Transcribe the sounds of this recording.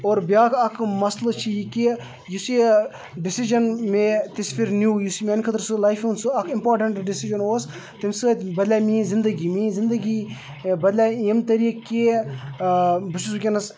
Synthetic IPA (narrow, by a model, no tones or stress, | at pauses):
oːɾbʲjaːkɐkʰmɐslɨt͡ʃʰijiki | jusi | ɖɪsiʒɐnmet̪isfʰiɾnuːjusimʲenkʰɐt̪ɾsɨlajfunsɨɐkʰimpoːɾʈɐɳʈɖɪsiʒɐnoːs | t̪imsɨbɐd̪lʲamiːzɪnd̪əɡimizɪnd̪əɡi | bɐd̪lʲaimt̪ɐɾiːkːe | bɨt͡ʃusukʲenɐs